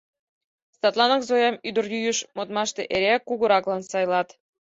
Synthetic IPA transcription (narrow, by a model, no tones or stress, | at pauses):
st̪ɑt̪lˠɑnɑkzojɑmyd̪ə̆rjyjyʃmot̪̚mɑʃt̪eʔeɾekːuɣŏɾɑklɑnsɑjlɑt̪